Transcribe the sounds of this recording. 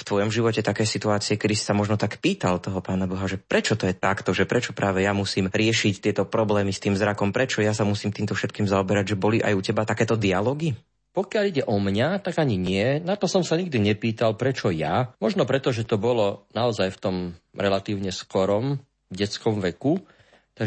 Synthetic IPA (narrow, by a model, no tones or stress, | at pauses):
ft̪ʋɔjɔmʒiʋɔcɛt̪akɛːsit̪uaːt͡siɛkɛd̪isi̥samɔʒnɔt̪akpiːt̪alt̪ɔɦɔpaːnabɔɦaʒɛpɾɛt͡ʃɔt̪ɔjɛt̪akt̪ɔʒɛpɾɛt͡ʃɔpɾʔaːʋɛjamusiːmɾɪɛʃict̪ɪɛt̪ɔpɾɔblɛːmist̪iːmvzɾakɔmpɾɛt͡ʃɔjasamusiːmt̪iːmt̪ɔfʃɛt̪kiːmzaɔbɛɾaɟʒɛbɔliʔa̰jucɛbat̪akɛːt̪ɔd̪ialɔːɡi | pɔkɪaʎiɟɛʔɔmɲat̪aɡaɲiɲɪɛnat̪ɔsɔmsaɲiɡ̚d̪iɲɛpiːt̪alpɾɛt͡ʃɔjamɔʒnɔpɾɛt̪ɔʒɛt̪ɔbɔlɔnaɔzajft̪ɔmɾɛlat̪iːʊɲɛskɔɾɔm | ɟɛt͡skɔmʋɛku | t̪a